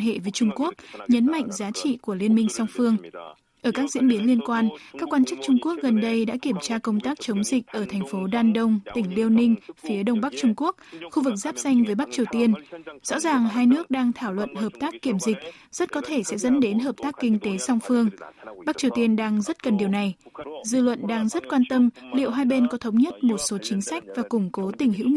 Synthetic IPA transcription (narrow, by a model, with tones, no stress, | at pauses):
hḛ˧˨ve˨˦t͡ɕʊ˧ŋ͡mku˦˥ək̚ɲə˨˦nma̰˧˨jŋ̟zaː˨˦t͡ɕḭ˧˨ku˧˩əli˧ənmï˧ŋ̟sa˧wŋ͡mfɨ˧əŋ | ʔəː˧˩kaː˦˥k̚zḭ˧˥ənɓi˨˦ənli˧ənkwaː˧nkaː˦˥kːwaː˧nt͡ɕɨ˦˥k̚t͡ɕʊ˧ŋ͡mku˦˥ək̚ɣə˨˩nɗə˧jɗa̰ː˧˥ki˧˩əmt͡ɕaː˧kə˧wŋ͡mt̪aː˦˥k̚t͡ɕə˨˦wŋ͡mzï˨˩k̟̚ʔəː˧˩t̪ʰɛ˨˩ŋ̟fo˨˦ɗaː˧nɗə˧wŋ͡mt̪ï˧˩ŋ̟li˧əwnï˧ŋ̟fi˨˦əɗə˧wŋ͡mɓa˦˥k̚t͡ɕʊ˧ŋ͡mku˦˥ək̚xu˧vɨ˨˩k̚z̥aː˦˥p̚sa˧jŋ̟vəː˨˦jɓa˦˥k̚t͡ɕi˨˩əwt̪i˧ənzɔ̰˧˥zaː˨˩ŋɦaː˧jnɨ˦˥ək̚ɗaː˧ŋt̪ʰaː˧˩wlwə̰˧˨nɦəː˨˩p̚t̪aː˦˥kːi˧˩əmzï˨˩k̟̚z̥ə˦˥t̚kɔ˨˦t̪ʰe˧˩sɛ̰˧˥zə̰˧˥nɗe˨˦nɦəː˨˩p̚t̪aː˦˥kːï˧ŋ̟t̪e˨˦sa˧wŋ͡mfɨ˧əŋɓa˦˥k̚t͡ɕi˨˩əwt̪i˧ənɗaː˧ŋzə˦˥t̚kə˨˩nɗi˨˩əwna˨˩jzɨ̰˧˨lwə̰˧˨nɗaː˧ŋzə˦˥t̚kwaː˧nt̪ə˧mlḭ˧˨əwɦaː˧jɓe˧nkɔ˨˦t̪ʰə˨˦wŋ͡mɲə˦˥t̚mo˨˩t̚so˨˦t͡ɕï˨˦ŋ̟sa˦˥jk̟̚vaː˨˩kʊ˧˩ŋ͡mko˨˦t̪ï˧˩ŋ̟ɦḭ˧˥w